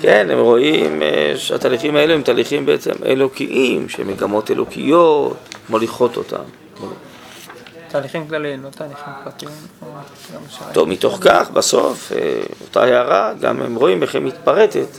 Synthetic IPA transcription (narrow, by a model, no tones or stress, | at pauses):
kenhḛmʁo̞ʔimeʃea̰t̪aːliχimae̞luemt̪aːliχimbeet͡se̞̰mḛlo̞kiʔimʃḛmeɡamo̞t̪e̞lʔokʰijot̪mo̞liχo̞t̪o̞̰t̪ʰa̰m | mo | t̪aːliχimklalimlot̪aːliχimklat̪imo | amt̪o̞vmito̞χkaχbaso̞fḛota̰heːʁaɡa̰mḛmʁo̞imʔeχemːitpaʁe̞tet̪